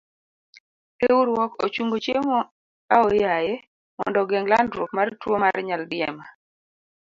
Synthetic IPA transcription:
euɾwɔko̰t͡ʃuŋɡot͡ʃemo | aɔjaje | mɔ̰ndɔɡɛŋlandɾokmartwomaɾɲaldɪɛma

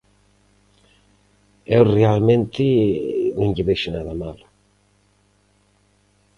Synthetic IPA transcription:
ewrealmẽnt̪ɪnĩŋʎiβeʃɪnaðamal

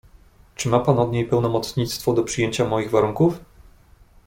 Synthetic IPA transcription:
t͡ʂɘmapanɔd̪ɲejpɛwnɔmɔt̪sɲit̪st̪fɔd̪ɔpʂɘjeɲt͡ɕamɔjiɣvaɾuŋkuf

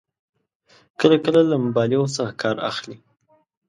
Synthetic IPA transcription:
kəlakəlalambɑliosəɾakʰɑɾa̰xli

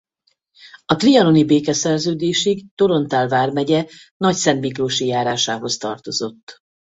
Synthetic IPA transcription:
ɒt̪riɒlo̞nibeːkɛsɛrzøːd̪eːʃiɡt̪o̞ɾo̞nt̪aːlvaːrmɛɟɛ | nɒcsɛnt̪mikroːʃijaːɾaːʃaːɦo̞st̪ɒ̰rt̪o̞zo̞t̪ː

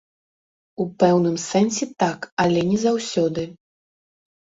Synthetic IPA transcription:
upɛwnɨmsɛnsʲɛt̪akɐlʲɛnʲɛzawsʲɔd̪ɨ

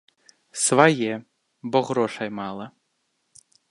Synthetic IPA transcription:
svajɛ | bɔɣɾɔʂɐjmalˠɐ

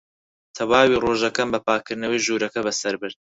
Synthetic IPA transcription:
t̪ʰɐwaːwiːroːʒɐkɐmbɐpaːkʰɨɾnɐwijʒuːɾɐkɐbɐsɐɾbɨɾd̪̚

